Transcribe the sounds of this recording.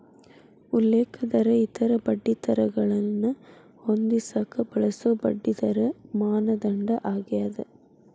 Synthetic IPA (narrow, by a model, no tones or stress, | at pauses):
ʊlːeːkɐd̪ɐɾɐit̪ːɐɾɐbɐɖːit̪ɐɾɐɡɐɭɐnːɐ | hond̪isakːɐbɐɭɐsobɐɖːit̪ɐɾɐmaːnɐd̪ɐɳɖɐʔaːɡɪjaðɐ